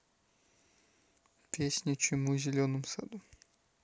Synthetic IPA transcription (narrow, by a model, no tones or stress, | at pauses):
pʲesʲnʲit͡ɕɪmuzʲɪlʲonɨmsad̪u